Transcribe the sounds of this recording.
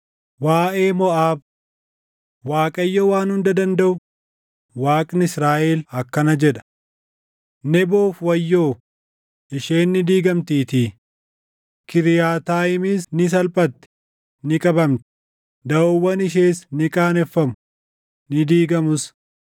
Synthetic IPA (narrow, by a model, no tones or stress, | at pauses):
waːʔeːmɔʔaːb̚ | waːkʼɐjːɔwaːnhʊnd̪ɐd̪ɐnd̪ɐʔʊ | waːkʼnɪsɾaːʔeːlɐkːɐnɐd͡ʒɛᶑɐ̥ | nɛboːfwɐjːoː | ɪʃeːnːɪd̪iːɡɐmt̪iːt̪iː | kɪɾɪjaːt̪aːɪmɪsnɪs̬ɐlpʼɐt̪ːɛ̥ | nɪkʼɐbɐmt̪ɛ̥ | d̪ɐowːɐnɪʃ̬eːsnɪkʼaːnɛfːɐmʊ | nɪd̪iːɡɐmʊs